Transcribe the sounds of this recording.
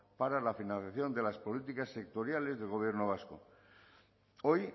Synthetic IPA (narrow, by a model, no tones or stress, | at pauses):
paɾalafinãn̟θjaθjo̞nd̪e̞laspo̞lit̪ikasːe̞k̚t̪o̞ɾjale̞zðe̞lɣo̞β̞je̞ɾnoβ̞asko̰ | o̞j